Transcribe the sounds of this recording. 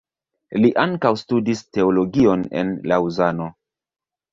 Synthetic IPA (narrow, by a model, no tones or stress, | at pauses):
liʔaŋkawstudiste̞olo̞ɡio̞ne̞̰nlauzano̞